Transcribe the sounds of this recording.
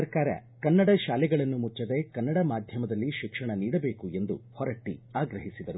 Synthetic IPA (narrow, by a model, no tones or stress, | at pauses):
ɐɾkaːɾɐ̰kɐnːɐɽɐʃaːlɛɡɐɭɐnːumut͡ʃːɐd̪e̞kɐnːɐɽɐmaːd̪ʱjɐmɐd̪ɐlːiʃikʂɐɳɐniːɽɐbe̞ːkue̞nd̪uhɔɾɐʈːiaːɡɾɐɦisid̪ɐɾu